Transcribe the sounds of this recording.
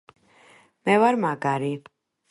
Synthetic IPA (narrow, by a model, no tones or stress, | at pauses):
mɛvaɾmaɡaɾi